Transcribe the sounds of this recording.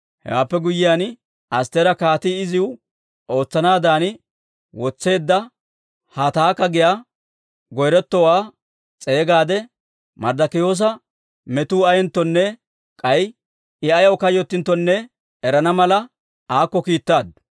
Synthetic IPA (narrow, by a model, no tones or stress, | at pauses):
hɛ̰wa̰ːpːɛɡʊjːɪjaːn | ʔɐst̪eɾɐkaːt̪ɪɪzɪwʊ | o̞ːt͡sːɐnaːd̪aːnɪ | wɔt͡sːe̞ːd̪ːɐ | hat̪aːkːɐɡɪjaː | ɡɔjɾɛt̪ːɔwaː | t͡sʼe̞ːɡaːd̪ɛ | mɐɾd̪ɐkɪjo̞ːs̬ɐ | mɛt̪uːɐjɛnt̪ːɔnːɛ | kʼɐj | ɪɐjɐwkɐjɔt̪ːɪnt̪ːɔnːɛ | ɛɾɐnɐmɐlɐ | aːkːɔkiːt̪ːaːd̪